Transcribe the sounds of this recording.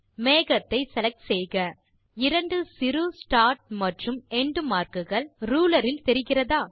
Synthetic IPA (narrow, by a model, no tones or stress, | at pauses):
meːɣɐt̪ːɐɪsɛlɐk̚ʈsɛjɣɐ | ɪɾɐɳɖɯsɪɾɯsʈaːɾʈ̚mɐʈrɯmɛɳɖmaːɾkɯɣɐɭɾuːlɐɾɪlt̪ɛɾɪɣɪrɐðaː